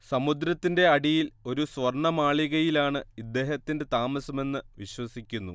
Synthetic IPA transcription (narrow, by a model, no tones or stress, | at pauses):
sɐmud̪ɾɐt̪ːinde̞ɐɽijilo̞ɾusʋɐrɳɐmaːɭiɣɐjilaːɳɨid̪ːe̞ːɦɐt̪ːinde̞t̪aːmɐsɐme̞nːɨʋiɕwɐsikʲːunːṵ